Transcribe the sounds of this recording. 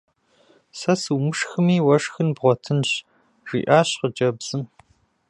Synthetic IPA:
sɐsɨwmɨʂxɨmiːwɐʂxɨnbʁʷɔtʰɨnɕ | ʐ̥ḭːʔaːɕqəd͡ʒɐbz̥ɨm

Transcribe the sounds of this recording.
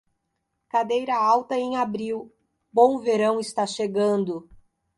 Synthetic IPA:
kad̪ejɾɐawt̪ɐẽj̃abɾiw | bõw̃veɾɐ̃w̃ɪst̪aʃeɡɐ̃nd̪ʊ

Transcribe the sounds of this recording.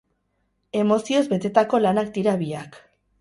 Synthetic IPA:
e̞mo̞sio̞zbe̞t̪e̞t̪ako̞lanak̚d̪iɾaβiak

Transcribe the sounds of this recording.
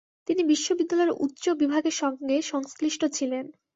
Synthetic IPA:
t̪inibiʃːobid̪ːalɔeɾṵtːɕobibʱaɡeɾʃɔŋɡeʃɔŋskliʃʈot͡ɕʰilen

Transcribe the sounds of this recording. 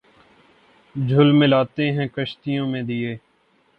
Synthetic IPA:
d͡ʒʱʊlmɪlaːt̪eɦɛ̃kəʃt̪ijõːmẽd̪ieː

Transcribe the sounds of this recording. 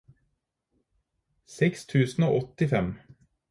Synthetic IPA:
sɛkst̪ʰʉːsn̩o̰ːʔɔt̪ɪfɛm

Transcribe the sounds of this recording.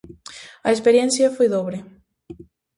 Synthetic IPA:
ɐespeɾjẽnθjɐfojðoβɾe

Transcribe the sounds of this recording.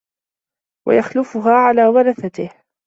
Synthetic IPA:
wa̰jaxlʊfʊɦaːʕalaːwɑɾˤɑθat̪ɪh

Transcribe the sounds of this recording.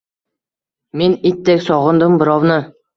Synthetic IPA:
menit̪ːekʲsɒʁɤ̆nd̪ɯmbɪɾɑwnɤ

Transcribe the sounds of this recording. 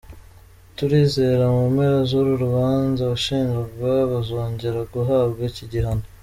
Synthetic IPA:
tuɾiːzeɾamumeɾazoɾuɾuβaːnzaβuʃiːŋɡaɾɡaβazoːɲɟeɾaɡuɦaːbɡaciɟiɦano

